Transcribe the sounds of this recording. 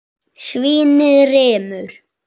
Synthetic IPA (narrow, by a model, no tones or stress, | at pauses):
sviːnɪðrɛːmʏɾ̥